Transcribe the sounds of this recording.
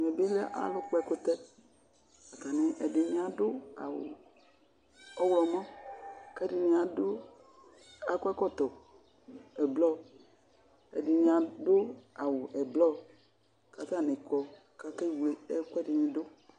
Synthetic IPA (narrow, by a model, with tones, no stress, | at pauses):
me˨be˦lɛ˦ʔa̰˨lʊ˦k͡po˦ɛ˦ko˦t̪ɛ˦ | a˨t̪a˨nẽ˦ʔɛ˨de˨ɲ̃˨˦a˨dʊ˦a̰˨wʊ̰˨ | ɔ˦wlɔ˨mɔ̃˦kɛ˦di˨ɲĩ˨a˨do˦ | a˨kkɔ˦t̪ɔ˨ | ɛ˨blɔ˦ | ɛ˨de˨ɲ̃˨a˨do˦a˨wo˨ʔɛ˨blɔ˦ | ka˨t̪a˦˨ne˨kɔ˨ | ka˦ke˦wle˨ɛ˦kʷɛ˦di˨ɲĩ˨do˦